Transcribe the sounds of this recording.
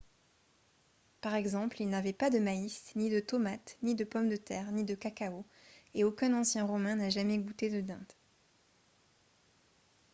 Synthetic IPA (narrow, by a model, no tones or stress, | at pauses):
paʁɛɡzɑ̃plilnavɛpad̪əmaisnid̪ət̪ɔmat̪nid̪əpɔmd̪ət̪ɛːʁnid̪əkakao | eokʲɛ̃nɑ̃sjɛ̃ʁɔmɛ̃naʒamɛɡut̪ed̪əd̪ɛ̰̃t̪